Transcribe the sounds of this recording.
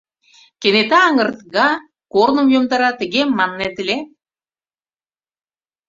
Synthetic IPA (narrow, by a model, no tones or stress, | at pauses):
kenet̪æɑŋɤ̆rt̪ɣɑ | koɾnə̆mjomd̪ɑɾɑt̪ə̆ɣemːɑnːet̪ɘ̆lʲe